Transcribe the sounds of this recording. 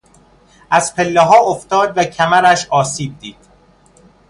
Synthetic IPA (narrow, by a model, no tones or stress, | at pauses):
ʔæz̥pʰelːeɦɒːoft̪ɒːd̪væcʰæmæɾæʃɒːsiːb̚d̪iːd̪̥